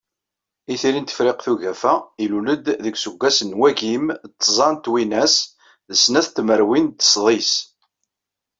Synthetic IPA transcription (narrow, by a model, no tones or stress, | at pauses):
iθiɾint̪ə̥fɾɪqθuʝæfæiluləd̪ðəɡsəɡʷːæsənwæʝimt̪ˤːzˤɑnt̪winæs | ðəsːnæθt̪məɾwint̪ːə̥sˤðˤis